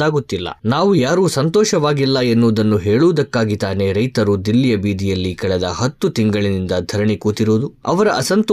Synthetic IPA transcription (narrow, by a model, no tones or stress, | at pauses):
aːɡut̪ːilːɐ̰naːʋujaːɾuːsɐnt̪ɔːʃɐʋaːɡilːɐenːoːd̪ɐnːuɦeːɭuːd̪ɐkːaːɡit̪aːne̞ɾɐjt̪ɐɾud̪ilːijɐbiːd̪ijɐlːikɐɭɛd̪ɐhɐt̪ːut̪iŋɡɐɭinind̪ɐd̪ʱɐɾɐɳikuːt̪iɾoːd̪uɐʋɐɾɐʔɐsɐnt̪